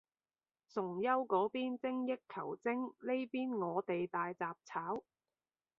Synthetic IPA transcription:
sʊ˨˩ŋjɐ˥wkɔː˨˥piː˥nt͡sɪ˥ŋjɪ˥kkʰːɐ˨˩wt͡sɪ˥ŋle˥jpiː˥nŋɔː˨˧t̪e˨jt̪aː˨jt͡saː˨p̚t͡sʰaː˨˥w

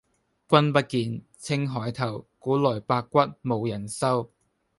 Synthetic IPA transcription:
kʷɐ˥npɐ˥t̚kiː˨˧nt͡sʰɪ˥ŋɦɔː˨˥jt̪ʰɐ˨˩wkuː˨˥lɔː˨˩jpaː˧kːʷɐ˥t̚mo˨˧wjɐ˨˩nsɐ˥w

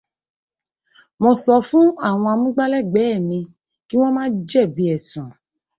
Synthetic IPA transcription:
mɔ̃˧sɔ˧˦fũ˦a˦˨w̃ɔ̃˧a˧mũ˦ɡ͡ba˦lɛ˦˨ɡ͡bɛ˨˦ɛ˦˨mĩ˧ | ki˦w̃ɔ̃˦mãː˦d͡ʒɛ˦˨bi˨˦ɛ˦˨sũ˨

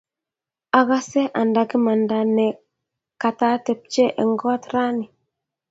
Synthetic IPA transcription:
a˨ɣa˦sɛ˦ʔa˨nda˨ki˦ma˨nda˨nɛ˨ | ka˨ta˦tɛ˨p̚t͡ʃɛ˦ʔɛ˨ŋɡɔ˦t̪ɾa˦ni˨

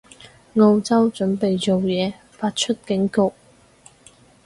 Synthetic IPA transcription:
ŋo˧wt͡sɐ˥wt͡ʃɵ˨˥npe˨jt͡so˨wjɛː˨˧ | faː˧t̚t͡ʃʰɵ˥t̚kɪ˨˥ŋkʊ˨k̚

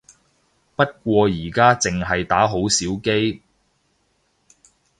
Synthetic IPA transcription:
pɐ˥t̚kʷɔː˧jiː˨˩kaː˥t͡sɪ˨ŋɦɐ˨jt̪aː˨˥ɦo˨˥wsiː˨˥wke˥j

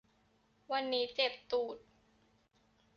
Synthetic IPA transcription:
wa˧nːiː˦˥t͡ɕe˨˩p̚t̪uː˨˩t̪̚

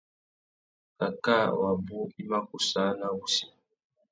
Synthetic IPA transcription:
ka˨ka˦˨wa˨bu˦i˦ma˦ku˨sa˦na˦wu˨si̥˦

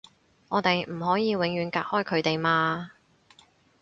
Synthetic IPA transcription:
ŋɔː˨˧t̪e˨jm̩˨˩hɔː˨˥jiː˨˧wɪ˨˥ŋjyː˨˧nkaː˧k̚hɔː˥˩jkʰɵ˨˧ɥt̪e˨jmaː˧

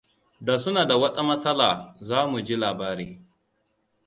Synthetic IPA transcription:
da˨sʊ˦naː˨da˨wɐ˦sʼa˦mɐ˦sɐ˦laː˨zaː˦mu˨d͡ʒi˦laː˨baː˦ɾeː˦

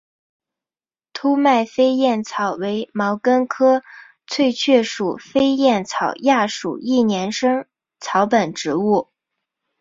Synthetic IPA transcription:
t̪ʰu˥ma˥˩ɪfe˥ɪjɛ˥˩nt͡sʰɑ˨˩ʊwe˧˥ɪmɑ˧˥ʊkə˥nkʰɤ˥ | t͡sʰwe˥˧ɪt͡ɕʰɥɛ˥˩ʂu˨˩fe˥ɪjɛ˥˩nt͡sʰɑ˨˩ʊja˥˩ʂṵ˨˩i˥˩njɛ˧˥nʂɤ˥ŋ | t͡sʰɑ˧˥ʊpə˨˩nʈ͡ʂɻ̩˧˥u˥˩

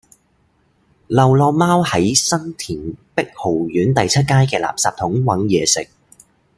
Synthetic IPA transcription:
lɐ˨wlɔː˧maː˥whɐ˨˥jsɐ˥nt̪ʰiː˨˩npɪ˥k̚ho˨˩wjyː˨˥nt̪ɐ˨jt͡sʰɐ˥t̚kaː˥jkɛː˧la̰ː˨psaː˧p̚t̪ʰʊ˨˥ŋwɐ˨˥ŋjɛː˨˧sɪ˨k̚

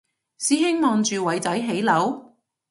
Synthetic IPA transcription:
siː˨˥ɦɪ˥ŋmɔː˨˧ŋt͡ʃyː˨wɐ˨˥jt͡sɐ˨˥jɦe˨˥jlɐ˨˥w

